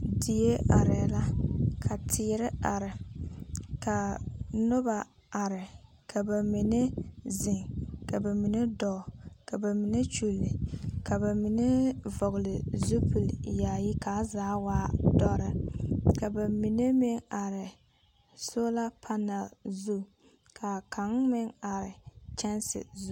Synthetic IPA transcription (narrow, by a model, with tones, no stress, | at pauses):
di˨je˦ʔa˨ɾɪ˨la˦kʰa˨tʰɪː˨˦ɾɪ˦a˨ɾɪ˨ | ka˨nʊ˦ba˨ | a˨ɾɪ˨ | kʰa˨ba˨mi˨ne˦zɪ˨ŋka˨ba˨mi˨ne˦dɔ˨ka˨ba˨mi˨ne˦t͡ʃu˦lːɪ˨ka˨ba˨mi˨ne˦vɔ˨ɣlɪ˨zu˦pʰu˨lja˨jɪ˦kaː˨˦zaː˨˦waː˦dɔ˦ɾɪ˦ka˨ba˨mi˨ne˦mi˦ŋa˨ɾɪ˨ | so˦la˦pʰa˦na˨lzu˦ | kʰa˨kʰa˨˦ŋmɪ˦ŋa˨ɾɪ˨t͡ʃɛ˦nsɪ̰˨zu˦